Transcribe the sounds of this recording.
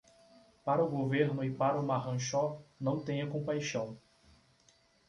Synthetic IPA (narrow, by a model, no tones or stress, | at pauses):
paɾɐʊɡoveɾnʊɪpaɾɐʊmaɦɐ̃ʃɔnɐ̃w̃t̪ẽj̃ɐkõpajʃɐ̃w̃